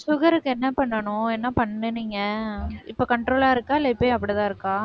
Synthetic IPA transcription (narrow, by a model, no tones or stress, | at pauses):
sʊɣɐɾɯkːɯɛnːɐpɐɳːɐɳʊ̃ɛnːɐpɐɳːɯniːŋɡɐɪpːoːkɐɳʈɾoːlaːɪɾɯkːaːɪlːɐɪpːejɐpːɐɽit̪ãːɪɾɯkːãː